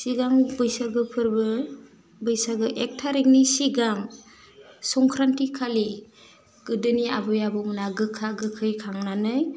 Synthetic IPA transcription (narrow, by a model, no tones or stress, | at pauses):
siɡaŋbɯjsaɡɯpʰɯɾbɯ | bɯjsaɡɯʔek̚tʰaɾiŋnisiɡaŋ | sɔŋkʰɾantikʰali | ɡ̥ɯdɯnia̰bɯjabɔmɯnaɡɯkʰaɡɯkʰɯjkʰaŋnanɯj